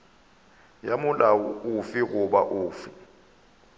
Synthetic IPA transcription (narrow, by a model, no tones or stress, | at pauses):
jamʊlaʊfiɣʊɓa̰ʔʊːfi